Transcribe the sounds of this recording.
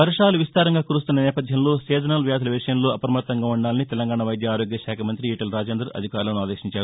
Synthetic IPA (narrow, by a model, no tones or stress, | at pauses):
ʋɐɾʂaːluʋist̪aːɾɐŋɡaːkuːɾust̪unːɐnɛːpɐd̪ʱjɐmlo̞ːseːd͡ʒɐnɐlʋjaːd̪ʰɐlɐʋiʂɐjɐmlo̞ːʔɐpɾɐmɐt̪ːɐŋɡaːuɳɖaːlɐnit̪ɛlɐŋɡaːɳɐʋɐjd̪jɐaːɾo̞ːɡjɐʃaːkʰɐmɐnt̪ɾiiːʈɐlɾaːd͡ʒeːnd̪ɾɐɐ̰d̪ʱikaːɾlɐnuaːd̪eːʃiɲt͡ʃaːɾu